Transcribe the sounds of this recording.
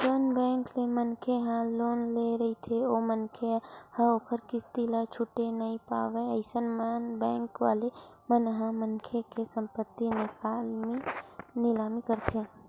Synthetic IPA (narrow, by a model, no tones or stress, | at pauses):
sənbɛ̃ːŋklemənkʰeɦãloːnleɾəɦit̪ʰeoːmənkʰehə̃oːkəɾkɪst̪ilat͡ʃʰʊʈenəĩpa̰ːʋeəɪsənmənbɛ̃ːŋkʋa̰ːle | mənɦãmənkʰekesə̃mpət̪ːinɪkalminɪlaːmikəɾt̪ʰe